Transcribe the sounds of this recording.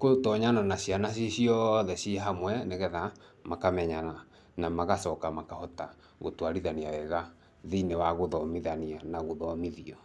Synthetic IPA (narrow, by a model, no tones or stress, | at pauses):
kotɔɲananaɕianasesiɔðɛsjeɦamwɛneɣɛða | makamɛɲana | namaɣasɔkamakahɔta | ɣo̰twaɾiðaniawɛɣa | ðinewaɣoðɔmiðanianaɣoðɔmiðiɔ